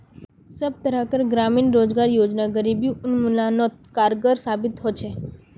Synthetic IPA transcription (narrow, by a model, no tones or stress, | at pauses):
səb̚t̪əɾakəɾɡɾaminɾod͡ʒɡaɾjod͡ʒnaɡəɾibjuʊnmulanot̪̚kaɾɡəɾsabit̪ɦot͡ʃʰe